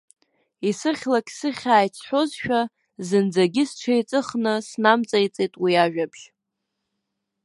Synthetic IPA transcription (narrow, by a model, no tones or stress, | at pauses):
isɨχʲlakʲʼsɨχʲaːjt͡sʰħʷozʃᶣa | zɨnd͡zaɡʲɪsʈ͡ʂʰejt͡sʼɨχnɨsnamt͡sʼajt͡sʼejtʼwiaʒᶣabʒ